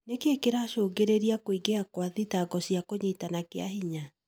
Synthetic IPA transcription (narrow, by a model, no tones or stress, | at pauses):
nekeekeɾaʃoːɡeɾeɾiakoiɡeakwaðitaɡɔsiakoɲeitanakea̰ɦiɲa